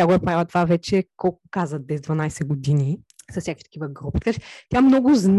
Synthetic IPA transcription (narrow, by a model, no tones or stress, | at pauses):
aɡʊɛpɾavɐt̪vavɛt͡ʃɛkɔlˠkʊkazvət̪̚bɛzd̪vɐnajsɛɡʊd̪ini | sɐsnʲakvit̪ɐ̥kʲivəɡɾupit̪ɐ̥kat͡ʃɛ̥t̪ʲamnɔɡʊzn